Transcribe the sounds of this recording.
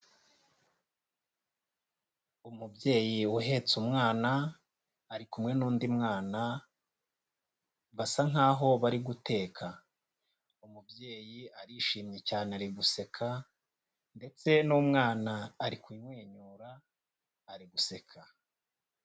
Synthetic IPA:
umubje̞ːjiuɦe̞t͡sumŋaːnaː | ɾikumŋe̞nuːndimŋaːna | βasaŋaːɦo̞βaɾiɡute̞ːkʰa | umubje̞ːjiaɾiʃiːmɲe̞caːneaɾiɡuse̞kʰa | nde̞t͡se̞numŋaːnaːɾikwiːɲwe̞ːɲuːɾaː | ɾiɡuse̞kʰa

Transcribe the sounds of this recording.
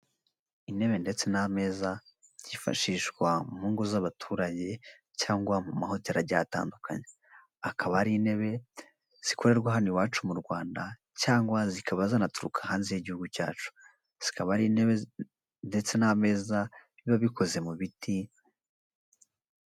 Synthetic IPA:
ine̞βe̞nde̞t͡se̞name̞ːza | ɟ̥ifa̰ʃiʃɡwamuːŋɡozaβatʰuːɾaɟe̞ | caːŋɡwamumaho̞teɾaɟata̰ːndukʰa̰ɲe | akʰaβaɾiːne̞βe̞ | z̥ikʰo̞ɾe̞ɾɡwaɦaniwaːt͡ʃumuɾɡwaːnda | caːŋɡwazikʰaβazanatuɾukʰḁhaːnzejeɟihuɡuca̰ːt͡ʃu̥ | z̥i̥kʰaβaɾineβe | nde̞t͡se̞name̞ːza | iβaβikʰo̞ze̞muβitʰi

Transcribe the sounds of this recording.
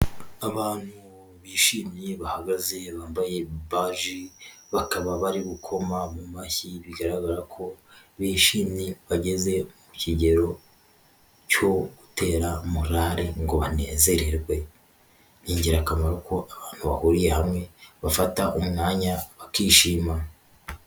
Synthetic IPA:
aβaːn̥hu | βiːʃimiβahaɡaze̞βaːmbaje̞βaːʒiβakaβaβaɾiβukʰo̞mamumaçiβiɡaɾaɡaɾakʰo̞βiːʃiːmiβaɟe̞ze̞muciɟe̞ɾo̞ | co̞ɡute̞ːɾamuɾaɾeŋɡo̞βane̞ːze̞ɾeɾɡwe̞ | niːɲɟiɾakamaɾako̞ʔaβaːn̥huβahuɾije̞hamŋe̞βafataʔumŋaːɲaβakiːʃiːma

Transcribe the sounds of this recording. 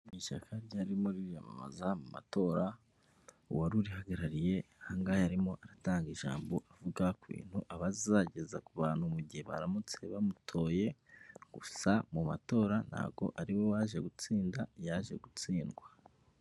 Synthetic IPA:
miʃakʰaɾɟaːɾimoɾiɾjama̰ma̰zamuma̰to̞ːɾa | uwaɾuɾihaɡaɾaɾije̞haŋɡajaɾimo̞ʔaɾataːŋɡiʒa̰ːmbo̞ʔavuɡakwḭːn̥huʔaβazizaɟe̞za̰kuβaːnhumuɟieβa̰ɾamut͡se̞βamutʰo̞ːje̞ɡ̥usamuma̰to̞ːɾana̰ɡo̞̰ʔaɾiwo̞waʒe̞ɡut͡siːndajaʒe̞̰ɡut͡siːnɡwa

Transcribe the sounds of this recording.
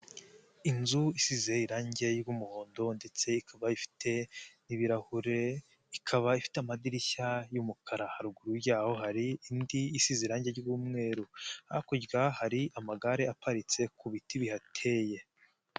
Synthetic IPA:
inzuisize̞iɾaːɲɟe̞jɡumuho̞ːndo̞nde̞t͡se̞ikʰaβaifi̥teniβiɾahuɾe | ikʰaβaifi̥teamadiɾiçajumukʰaɾahaɾuɡuɾuɾjaːho̞ɦaɾiːndiːsizeɾaːɲɟeɡuːmŋe̞ːɾuhaakuɟɡahaɾiʔamaɡaɾeapaɾit͡se̞kuβitiβihatʰe̞ːje̞

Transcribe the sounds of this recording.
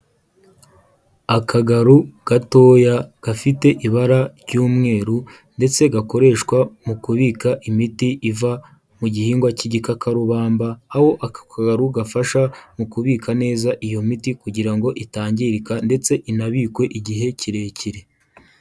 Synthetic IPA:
akʰaɡaɾuɡ̥ato̞ːjaɡ̥afite̞ʔiβaɾaɾɟuːmŋe̞ːɾu | nde̞t͡se̞ɡako̞ɾe̞ʃkwamukuβiːkaʔimitiʔiva | muɟihiːŋɡwaciɟikakʰaɾuβaːmbaːho̞ʔakkaɡaɾuɡafaʃamukuβiːkʰane̞ːzaʔijo̞mitikuɟiɾaŋɡo̞ʔitaːɲɟiɾikande̞t͡se̞ʔinaβiːkwe̞ʔiɟiɦe̞ciɾe̞ːciɾe

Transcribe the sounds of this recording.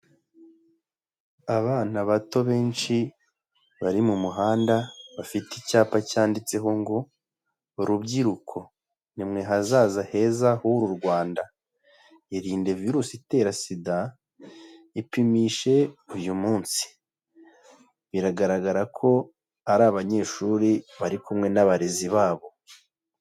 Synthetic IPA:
aβaːnaβato̞βe̞ːnʃi | βaɾimumuɦaːndaβafiticaːpacaːndit͡se̞ɦo̞ŋɡoː | ɾubɟiɾukʰo̞ | nimŋe̞ɦazaːzahe̞ːzahuɾuɾɡwaːnda | iɾiːnde̞viɾuːsite̞ːɾasida | ipimiʃe̞ujumuːnsi̥ | βiɾaɡaɾaɡaɾakʰo̞ | aɾaβaɲe̞ːʃuɾiβaɾikumŋe̞naβaɾeziβaːβo̞

